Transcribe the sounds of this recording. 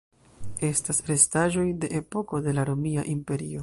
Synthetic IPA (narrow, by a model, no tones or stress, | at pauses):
e̞stasɾe̞staʒo̞jde̞ʔepo̞ko̞de̞laɾo̞mia̰ʔimpe̞ɾio̞